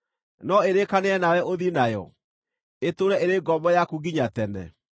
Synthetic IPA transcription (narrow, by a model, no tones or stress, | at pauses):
nɔeɾekaneɛnawɛʔoðinajɔ̰ | etoɾɛʔeɾeɡɔmbɔjakuɡiɲatɛnɛ̰